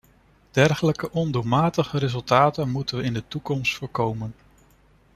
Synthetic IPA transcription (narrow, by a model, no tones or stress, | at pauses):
d̥ɛɹχələkəʔɔndumaːtəχəɾezɵlˠtaːtənmutənʋəɪndətukɔmstfʊːɹkowmən